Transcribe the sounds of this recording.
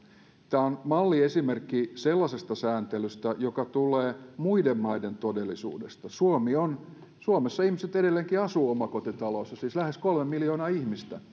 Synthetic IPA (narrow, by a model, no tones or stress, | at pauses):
t̪æːonmɑlːiesimerkːiselːɑsest̪ɑsæːnt̪elyst̪æjokɑt̪uleːmuidemmɑident̪odelːˑisṵːdest̪ɑsuomion | suomesːɑihmiset̪edelːeːŋkiɑsuːomɑkot̪it̪ɑloːsːɑsiːslæheskolmemiljoːnɑːihmist̪æ